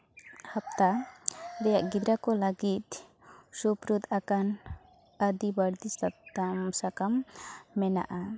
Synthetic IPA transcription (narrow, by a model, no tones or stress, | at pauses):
hap̚t̪ad̪ɛjaʔɡid̪ɾakɔlaɡit̪̚ | supɾud̪akan | əd̪ibaɽd̪isaamsakamːɛna̰ʔa